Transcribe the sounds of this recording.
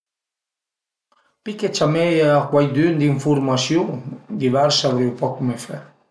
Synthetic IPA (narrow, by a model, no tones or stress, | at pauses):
piket͡ʃameakwajd̪ynd̪iɱfuɾmasjud̪iβɛɾsaβɾewpɔkːumefɛ